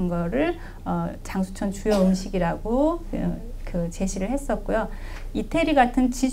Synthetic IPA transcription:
nɡʌɾɯɭ | ʌt͡ɕaŋsʰut͡ɕʰʌnt͡ɕujʌɯmɕʰiɡiɾaɡo | kɯt͡ɕeɕʰiɾɯɭhe̞s͈ʌt̚k͈ojo | itʰe̞ɾiɡatʰɯnt͡ɕid͡ʑ

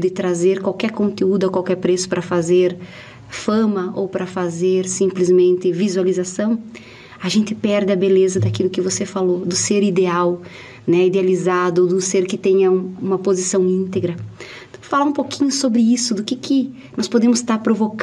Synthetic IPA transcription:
d̪ɪt̪ɾazeɾkwawkɛɾkõnt̪eud̪ʊokwawkɛɾpɾesʊ̥pɾɐfazeɾ | fɐ̃mɐʔowpɾɐfazeɾsĩmplɪzmẽnt̪ɪvizualizasɐ̃w̃ | aʒẽnt̪ɪpɛɾd̪ɪɐbelezɐd̪akilʊkɪvosefalod̪ʊseɾid̪eaw | nɛid̪ealizad̪ʊod̪ʊseɾkɪt̪ẽɲɐũũmɐpozisɐ̃w̃ĩnt̪eɡɾɐ | t̪w̃falaũpokĩɲʊsobɾɪisʊd̪ʊkɪkɪ | nɔspod̪ẽmʊst̪aɾpɾovok

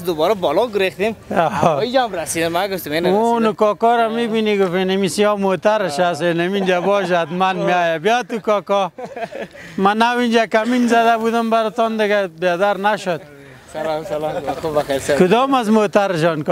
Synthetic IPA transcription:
d̪ʊbɔːɾabɔlɔɡʊɾext̪emaid͡ʒamɾasid̪ɪmaɡʊft̪əmenunʊkɔkɔɾamibiniɡʊfenemisijɔmot̪aɾɪʃasenemind͡ʒabɔːʃ̬at̪manmeajabijat̪ukɔːkɔ | manawind͡ʒakaminzad̪abud̪əmbaɾɪt̪ɔnd̪ɪɡabed̪aɾnaʃod̪̚ | kʊd̪ɔːmazmot̪aɾʃ̬ɔnk

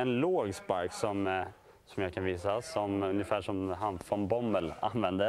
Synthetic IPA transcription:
ɛnloːɡspaɾksɔm | sɔmjɑːkʰanviːsasɔmɵnjəfæːʂɔmɦanfɾɔnbɔmːəla̰nvɛnd̪ə

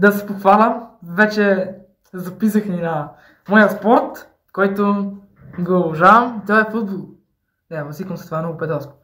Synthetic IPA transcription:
d̪ɐsɛ̥poxvalʲɐmvɛt͡ʃɛ | zɐpis̬əxninɐ | mɔjəspɔɾt̪ | kɔjt̪o | ɡolˠuʒavəmit̪ɔɛfud̪̚bolˠ | d̪ɛbˠɐsikəmsɐt̪ovamnɔɡʊpɛd̪ɔsko̥

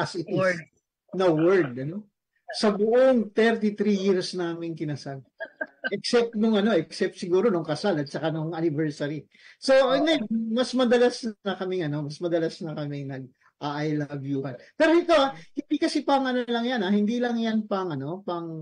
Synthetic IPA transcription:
ʔasɪt̪ɪ | nɐwɛɹd̪̚ɐno̞ | sɐbʊʔoŋt̪ɛɾt̪̬it̪ɾijiɹsnaːmɪŋkɪnɐsalʔɛksɛp̚t̪̚nʊŋɐno̞ʔɛksɛp̚t̪sɪɡuːɾo̞noŋkɐsalɐt̪̚t͡ʃɐkanoŋɐnɪbɛɹsɐɾi | so̞ɐŋajmɐsmɐd̪ɐlasnnɐkɐmɪŋɐno̞mɐsmɐd̪ɐlasnɐkɐmɛŋnɐɡ̚ | ʔaʔɐjlabjuːhɐnpɛːɾoʔɪk̪oahɪnd̪ikɐsɛpɐŋɐnɐlɐŋjanahɪnd̪iːlɐŋjanpɐŋɐno̞pɐŋ

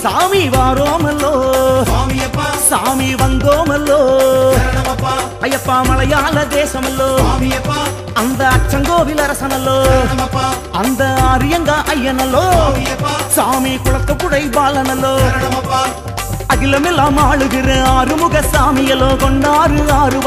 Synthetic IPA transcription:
saːmiʋaːɾoːmɐlːoː | saːmiʋɐnd̪oːmɐlːoː | pɐjɐpːaːmɐɭɐjaːlɐd̪eːsɐmɐlːoː | ɐnd̪ɐɐt͡ʃːɐŋɡoːʋɪlɐɾɐsɐnɐlːoː | ɐnd̪ɐaːɾɯjɐŋɡɐʔɐjːɐnɐlːoː | saːmikʊɭɐt̪ːɐpːʊɽɐɪbaːlɐnɐlːoː | ɐðɪlɐmɛlːamaːɭɯɣɪrɯaːɾɯmʊɣɐsaːmɪjɐlːoːkɔɳɖaːɾɯaːɾɯ

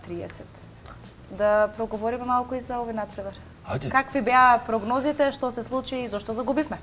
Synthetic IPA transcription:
t̪ɾiɛsɛt̪ | d̪apɾɔɡovɔɾimɛmalˠkuizaɔvojnat̪̚pɾɛvɛɾ | kakvibɛapɾɔɡnɔzit̪ɛʃt̪osɛslˠut͡ʃiːzɔʃt̪ɔzaɡubifmɛ

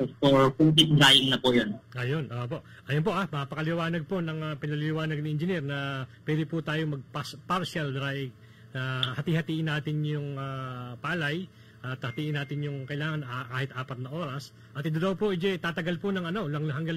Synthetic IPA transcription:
ospopʊŋp̪ɪt̪̚d̪ɾajɪŋnɐpojonʔɐjonʔoːʔpo̞ʔ | ʔɐjonpo̞ʔamɐapɐkɐlɪwaːnɐɡ̚ponɐŋapɪnɐlɪlɪwaːnɐɡ̚nɪʔɪnd͡ʒɪniɾnɐpwɛːd̪ɪpʊt̪aːjomɐɡ̚papaɾʃald̪ɾajɡ̚ | ahɐt̪ihɐt̪iːʔɪnːaːt̪ɪnjʊŋapaːlɐj | ʔɐt̪hɐt̪iːʔɪnːaːt̪ɪnjʊŋkɐʔɪlaːŋɐnakaːhɪt̪ʔaːpɐt̪nɐʔo̞ːɾɐs | ʔɐt̪ɪd̪od̪ɐwpoʔɪd͡ʒɛt̪aːt̪ɐɡalponɐŋɐno̞lɐŋɦɐŋɡɐl

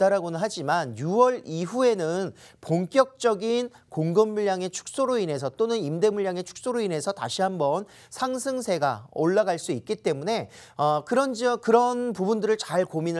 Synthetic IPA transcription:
t͈aɾaɡonɯnɦad͡ʑimanjuwʌɾiɦue̞nɯn | poŋk͈jʌk̚t͡ɕ͈ʌɡin | koŋɡɯmːuʎːaŋe̞t͡ɕʰu̥k̚s͈oɾoinɦe̞sʰʌt͈onɯnimde̞muɭːaŋet͡ɕʰu̥k̚s͈oɾoinɦe̞sʰʌta̰ɕʰiɦambʌn | sʰaŋsʰɯŋsʰe̞ɡa̰oɭːaɡaɭs͈uik̚k͈it͈e̞mune̞ | ʌkɯɾʌnd͡ʑikɯɾʌnpubundɯɾɯɭt͡ɕaɭkominɯ

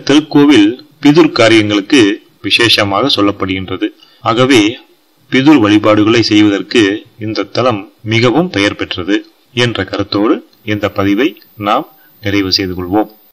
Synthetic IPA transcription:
t̪ːɪɾkːoːʋɪlpɪðɯɾkaːɾɪjɐŋɡɐɭɯkːɯ | ʋɪʂeːʂɐmaːɣɐsɔlːɐpːɐɽɯɣɪndrɐðɯ | aːɣɐʋeː | pɪðɯɾʋɐɭɪpaːɽɯɣɐɭɐɪsɛjʋɐðɐrkɯɪnd̪ɐt̪ːɐlɐmːɪɣɐʋɯmpɛjɐɾpɛʈrɐðɯ | ɛndrɐkɐɾɐt̪ːoːɽɯ | ɛnd̪ɐpːɐðɪʋɐɪ | naːm | nɪrɐɪʋɯsɛjðɯkɔɭʋoːm

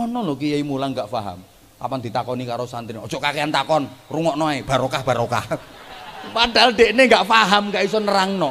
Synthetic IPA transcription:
ɔnɔlɔkijaimulaŋɡaʔfaɦa̰m | a̰pand̪i̤t̪akɔnikaɾosant̪inɔd̥d͡ʒ̥ɔʔkakeant̪akɔnruŋɔʔnɔaeb̥a̤ɾokahb̥a̤ɾoka̰h | pad̥a̤lɖ̥e̤ʔneŋɡaʔfaɦamŋɡaʔisɔnəɾaŋnɔ

